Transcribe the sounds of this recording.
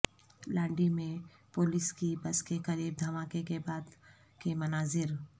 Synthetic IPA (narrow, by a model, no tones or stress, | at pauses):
lãːɳɖimẽpoːlɪskibɐskekɐɾiːb̚d̪ʱɐmaːkekebaːd̪ | kemɐnaːzɪɾ